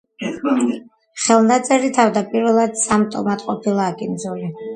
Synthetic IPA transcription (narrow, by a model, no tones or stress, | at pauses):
χɛlˠnat̪sʼɛɾit̪ʰavd̪apʼiɾvɛlˠad̪̥samt̪ʼɔ̰mat̪ʼqʼɔpʰilˠaːkʼind̪zuli